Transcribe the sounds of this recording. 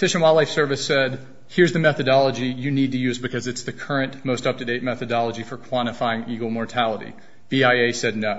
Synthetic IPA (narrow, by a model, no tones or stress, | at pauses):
tʰɪʃɨ̃nwaɪlaɪfsɜ˞vɨsɛd̚ | hɪɹzðɨmɛθɨdɑlˠəd͡ʒijɨnid̚tɨjʉzbɨkʰʌzɨtsðɨkʰɜ˞ɨ̃nmoʊstʌp̚tʰɨdeɪt̚mɛθɨdɑlˠəd͡ʒifə˞kʰw̥ɑ̃ɾ̃ɨfaɪɪ̃ŋiɡl̩ˠmɔɹtʰælˠəɾḭ | b̥iaɪeɪsɛdⁿnoʊ